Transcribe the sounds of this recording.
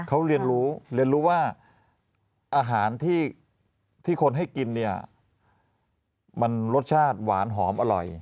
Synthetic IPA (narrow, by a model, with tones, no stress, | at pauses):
kʰa˦˥wɾi˧ənɾuː˦˥ɾi˧ənɾuː˦˥waː˥˩ | ʔaː˧ɦaː˩˦nt̪ʰiː˥˩ | t̪ʰiː˥˩kʰo˧nɦa˥˩jki˧nːi˥˩ɐ | ma˧nɾo˦˥t̪̚t͡ɕʰaː˥˩t̪̚waː˩˦nɦɔː˩˦mʔa˧ɾɔ̰˨˩j